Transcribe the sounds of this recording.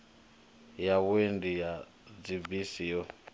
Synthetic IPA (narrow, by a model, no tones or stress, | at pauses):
jawwendija | d͡zibisijɔ